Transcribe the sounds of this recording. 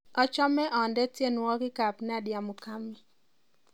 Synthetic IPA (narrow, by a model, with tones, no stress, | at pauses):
ɔ˦t͡ʃɔ˦mɛ˦ʔɔ˨ndɛ˦tje˦nwɔ˦ɡɪ˦ka˨pna˦dja˨mu˨ka˦mi˨